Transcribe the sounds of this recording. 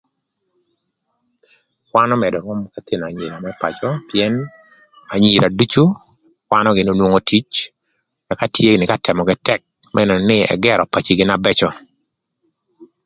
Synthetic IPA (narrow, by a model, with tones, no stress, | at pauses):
kwanɔ˦mɛ˨dɔ˨ŋɔ˦mkat̪ʰi˨n˨a˨ɲi˨ɾa˨mɛpa̰t͡ʃɔpjɛn | a˨ɲi˨ɾʔa˨du˦t͡ʃu˦ | kwa˦nɔɡɪ˨no˦nwo˦ŋo˦tʰi˦t͡ʃ | ka˨ka˦tʰje˦nɪ˨katɛ˨mɔ˨ɡɪtɛk̚mʔɛnɛ˨nɪɛ̰˨ɡɛɾɔ˨pa˨t͡ʃiɡɪ˦nabɛ˦t͡ʃɔ˦